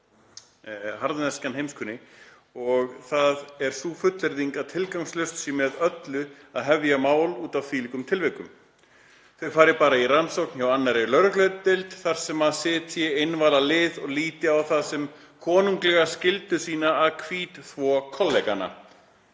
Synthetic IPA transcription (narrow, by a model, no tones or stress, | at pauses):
ɦaɾðanɛskanɦejmskʰʏnːɪ | ɔɣθaðɛɾ̥suːfʏt̪lɛɾðiŋkaðt̪ʰɪlkawŋslœɥst̪simɛðœt̪lʏaðɦɛvjamaːwluːt̪av̥fiːlikʏmt̪ʰɪlvɛkʏm | θœɥfaːɾɪpaːɾairansowkn̥çawanːaɾɛlœɾʏklœɥt̪̚t̪ɪlt̪θar̥sɛmaðsɪːt̪sjɛejnvaːlalɪːðɔɣliːt̪ɪawθaðsɛm | kʰɔːnuŋklɛɣascɪlt̪ʏsiːnaːðkʰviːt̪θvɔkʰɔlːɛkanːa̰